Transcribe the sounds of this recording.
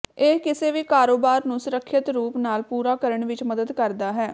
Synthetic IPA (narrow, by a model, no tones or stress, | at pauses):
ekɪseːʋiːkaːɾoːbaːɾnũːsʊɾəkʰːɪt̪ɾuːpnaːlpuːɾaːkəɾəɳʋɪt͡ʃməd̪əd̪kəɾd̪aːɦɛː